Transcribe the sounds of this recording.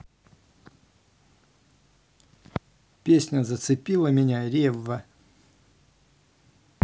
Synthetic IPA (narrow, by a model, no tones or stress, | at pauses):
pʲesʲnʲəzət̪sɨpʲilˠəmʲɪnʲaɾʲevːə